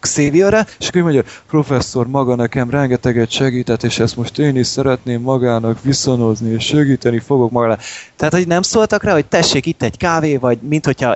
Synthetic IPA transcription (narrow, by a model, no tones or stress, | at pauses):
kseːvioɾɛeʃɒkuːjmoɲɟopro̞fɛsːo̞rmɒɡɒnɛkɛmrɛŋɡɛt̪ɛɡɛt̪ʃɛɡiːt̪ɛt̪ːeːʃɛst̪mo̞ʃt̪eːniʃsɛɾɛt̪neːmːɒɡaːnɒkʋiso̞no̞znieːʃʃɛɡiːt̪ɛnifo̞ɡo̞kmɒɡɒlaːt̪ɛɦaːt̪ho̞ɟnɛmsoːlt̪ɒkraːɦo̞c̚t̪ɛʃːeːkit̪ːɛɟkaːveːvɒɟmint̪ho̞cʰhɒ